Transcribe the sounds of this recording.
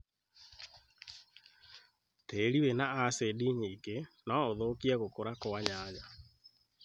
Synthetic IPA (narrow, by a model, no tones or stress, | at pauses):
teɾiwenaasediɲikenaoðokiaɣokoɾakoaɲaːɲa